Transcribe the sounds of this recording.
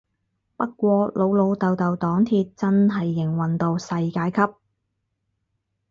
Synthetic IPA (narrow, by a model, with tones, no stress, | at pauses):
pɐ˥t̚kʷɔː˧lo˨˧wlo˨˧wt̪ɐ˨wt̪ɐ˨wt̪ɔː˨˥ŋt̪ʰiː˧t̚t͡sɐ˥nɦɐ˨jːɪ˨˩ŋwɐ˨nt̪o˧wsɐ˧jkaː˧jkʰɐ˥p̚